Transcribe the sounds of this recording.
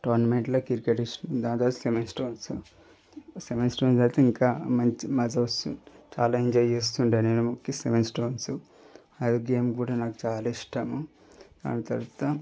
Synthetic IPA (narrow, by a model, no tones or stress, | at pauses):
ʈoːɾnɐmeɳʈloːkiɾkeʈiʂd̪aːnd͡ʒ̪aːɾt̪ɐ̥semensʈoːnsu | seʋensʈoːnsɐɾt̪eiŋkaːmɐɲt͡ʃimɐd͡ʒɐʋɐsut͡ʃaːlaːiɲd͡ʒaːjest̪uɳɖeːneːnumokːiseʋensʈoːnsu | ɐjoɡeːmkuːɽaːnaːku̥t͡ʃaːlaːiʂʈɐmu | d̪a̰ːnit̪ɐɾt̪ɐ